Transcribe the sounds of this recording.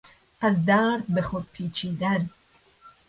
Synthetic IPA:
azd̪aɾd̪̚bɛχod̪̚pʰiːt͡ʃʰiːd̪an

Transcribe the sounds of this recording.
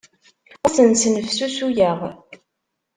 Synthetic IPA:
æsənsnəfsusujəʁ

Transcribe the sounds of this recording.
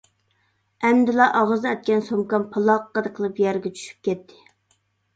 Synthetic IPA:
ɛmd̪ɪlɑʔɑʁəzɛt̪̚kʲɛnsomkɑnpʰɑlˠɑqːɑd̪ɨqʰəlˠɨpjɛɾɡʲɛt͡ʃʰy̥ʃy̥p̚kʲɛt̪ʰːɪ̥

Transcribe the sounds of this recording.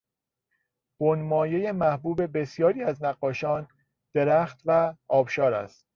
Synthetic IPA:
b̥onmɒːje̞jemæhbuːbe̞be̞sjɒːɾiːæznæɢːɒːʃɒːn | d̪̥eɾæːxt̪væɒːb̥ʃɒːɾæ̰st̪

